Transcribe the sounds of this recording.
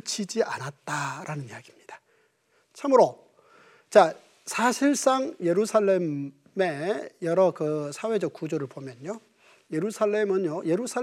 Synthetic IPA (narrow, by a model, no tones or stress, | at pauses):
t͡ɕʰid͡ʑiʔa̰nat̚t͈aɾʔanɯnijaɡimɲid̥ḁ | t͡ɕʰamɯɾo | t͡ɕa | sʰaɕʰiɭs͈aŋje̞ɾusʰaɭːe̞m | me̞jʌɾʌkɯsʰawe̞d͡ʑʌk̚k͈ud͡ʑoɾɯɭpomjʌnjo | je̞ɾusʰaɭːe̞mɯnjoje̞ɾusʰa